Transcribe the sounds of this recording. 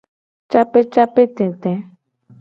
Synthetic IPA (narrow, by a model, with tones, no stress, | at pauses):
t͡ʃa˦pe˦t͡ʃa˦pe˦t̪ɛ̃˨t̪ɛ̃˨˦